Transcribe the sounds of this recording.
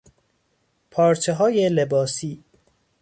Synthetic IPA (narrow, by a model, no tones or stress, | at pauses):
pʰɒːɾt͡ʃʰeɦɒːjelebɒːsiː